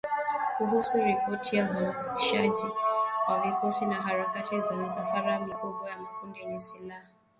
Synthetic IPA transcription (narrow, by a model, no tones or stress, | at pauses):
kuɦusuɾipɔtʰijavamasiʃad͡ʒikwavikɔsinaɦaɾakatizam̩safaɾamikubwajamakundiɲɛsilaha